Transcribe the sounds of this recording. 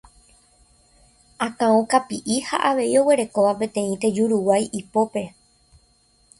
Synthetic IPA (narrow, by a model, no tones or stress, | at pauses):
ãkãõkapiʔiha̰ʔaʋe̞io̞we̞ɾe̞ko̞ʋapẽ̞t̪ẽ̞ĩt̪e̞d͡ʒuɾuwajipo̞pe̞